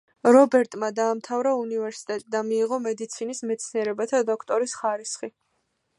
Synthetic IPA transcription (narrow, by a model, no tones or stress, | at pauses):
ɾɔbɛɾt̪ʼmad̪aːmt̪ʰavɾaunivɛɾsi̥t̪ʼɛt̪ʼid̪amiːʁɔmɛd̪it̪sʰinismɛt̪sʰniɛɾɛbat̪ʰad̪ɔkʰt̪ʼɔɾisχaɾisχi